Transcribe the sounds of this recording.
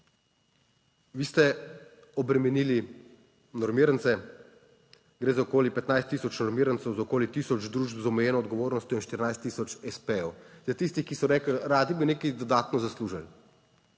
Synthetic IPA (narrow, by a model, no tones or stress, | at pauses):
ʋiːst̪ɛ | ɔbɾɛmɛniːli | nɔɾmiːɾənt̪sɛ | ɡɾeːzaɔkoːlipɛt̪najst̪ːiːsɔt͡ʃnɔɾmiːɾənsɛwzaɔkoːlit̪iːsɔd͡ʒd̪ɾuːʒbzɔmɛjɛːnɔːd̪ɡɔʋoːɾnɔst̪ʲjɔinʃt̪iɾinajst̪ːiːsɔt͡ʃɛspejɛwzat̪ist̪ixkisɔɾɛːklɾaːd̪ibineːkid̪ɔd̪aːt̪nɔzasluːʒal